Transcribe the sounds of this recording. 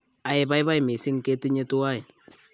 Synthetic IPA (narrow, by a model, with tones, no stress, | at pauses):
a˨ɪ˨ba˦ɪ˦ba˦jmɪ˨sɪ˦ŋ˨ke˦ti˦ɲe˦tu˦a˦ɪ˨